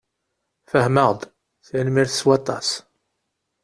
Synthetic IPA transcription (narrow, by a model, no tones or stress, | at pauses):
fəhməʁd̪ˤ | θinmiɾθə̥swɑt̪ˤːɑ̰s